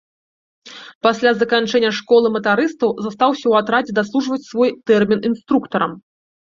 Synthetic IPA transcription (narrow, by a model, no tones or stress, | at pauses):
pasʲlʲazɐkant͡ʂɛnʲːɐʂkɔlˠɨmɐt̪aɾɨst̪ɐwzast̪awsʲɐwat̪ɾad͡zʲɛd̪aslˠuʐvɐt͡sʲsvɔjt̪ɛrmʲininst̪ɾukt̪ɐɾɐm